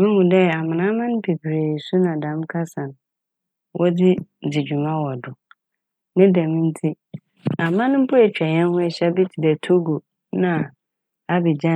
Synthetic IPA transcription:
mɪ̃˦hũ˨dɛ˦a˨mɪ̃˨nã˦mã˦ñ˦pʰe˨bʰi˨ɾe˨su˦nã˨dã˨˦m˦kʰa˦sã˨n˨ | wʔɔ˦dɪ˦˨dɪ˨d͡ʑᶣu˨mã˦wɔ˨dʊ˨ | nɪ̃˦dɛ̃˨mĩ˦n̩˦tʰi˦ | a˨mã˦nʊ̃˦m̩˦pʰʊ˦ɛ˨t͡ɕᶣɛ˨ɲɛ̃˦n˦hʊ̃˦ɛ˨ɕɛ˦bi˦tʰi˨dɛ˨tʰo˦ɡo˨ | nã˨ | a˨bɪ˨d͡ʑã˦

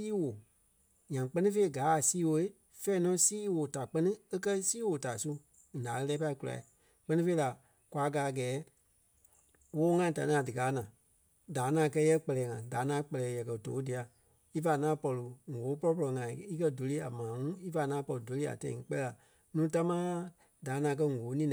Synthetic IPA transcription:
iː˦wo˨ | ɲã˨k͡pɜ˦nĩ˦fe˦i˦ɡaː˨˦˨siː˦wo˧i˦ | fɛː˦nɔ̃˨˦siː˦woː˨ta˨k͡pɜ˦nɨ̃˦e˦kɜ˦siː˦wo˨ta˨su˦˨ | daː˨ə˧lɛː˦pa˧˦i˧ku˧˦la̰˨i˨ | k͡pɜ˦nĩ˦fe˦i˦la˨ | kwa˨˧˦ɡaː˨ɡɛː˨˦ | woː˦ŋã˧ĩ˨ta˨nĩ˦a˨dɨ˨kaː˨˦nã˨ | daː˨˦nãː˨˦˧kɜ˧˦jɛ˦k͡pɛ˧lɛː˨˦ŋã˨daː˨˦nãː˨˦k͡pɛ˧lɛː˨˦jɛ˨kɜ˨to̰ː˨˦di˨a˨ | i˦fa˧˨nãː˨˦pɔ˧lu˨ŋoː˨˦pɔ˦lɔ˧p̬ɔ˧lɔ˨ŋã˨ĩ˨i˦kɜ˦do˨˦le˦a˨mãː˨˦ŋũ˦i˦fa˧˨nãː˨˦pɔ˧lu˨do˨le˦a̰˨tɛ̰̃˧ḭ̃˧ŋ˧˦k͡pɛ˦ɛ˧la˨ | nũː˦ta˦mãː˦a˦ | daː˨˦nãː˨˧˦k̬ɜ˦ŋoː˨˦nĩː˦˨

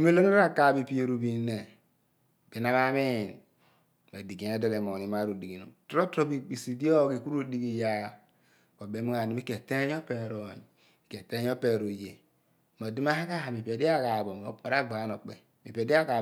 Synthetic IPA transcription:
mi˦lo˦no˦a˦ka˨bi˨pi˦e˨ɾu˨bi˨˦ne˨ | b̥i˨na˦ma˦mi˦˨n | ma˨di˨ɡi˨˦e˦do˨le˨mo˨ni˨˦ma˦ɾu˨di˨ɡi˨no̰˨tɾo˦tɾo˦bi˦bi˨si˨di˦o˦˨ki˨ku˦ɾu˦di˦ɡi˨ja˦ | ko˨be˨˦mi˦a˨ni˨˦mi˦ke˨te˦ɲ˦o˦pe˨ɾo˨ɲ˨ | i˨ke˨te˦o˦pe˨ɾo˨je˨ | mo˨di˦m˦a˦ha˦ka˦ha˨mi˨pe˨di˦a˦˨ka˨bo˨mo˦o˨ɾa˦ɡ͡ba˨˦no˨k͡pe˨ | mi˨pe˨di˦a˦ka˨

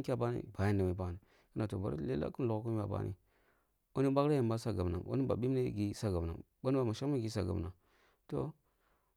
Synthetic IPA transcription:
kʲa˦˨ba˦nḭ˦ba˨ja˦nda˨ma˨˦˨ba˦ni˨ | ki˦na˨to˨ba˨ɾḭ˦lla̰˦ku˦nlo˨kku˦m˦ba˨ba̰˦nʔḭ˨ | wo˦ni˦ɓa˦kɾa˦ja˨mba˦sa˦ɡa˨na̰˨ʔo̰˦ni˦ba̰˨ɓi˦m˦e˦ɡi˦sa˦ɡa˨bna̰˨ | ɓo˦ni˦a˨ma˨ʃa˦a˦ɡi˨˦sa˨ɡa̰˨bna˨ | to˦

